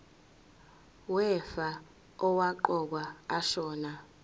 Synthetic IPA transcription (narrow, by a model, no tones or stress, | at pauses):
wɛfa | ɔwaǃɔk̬waaʃɔːna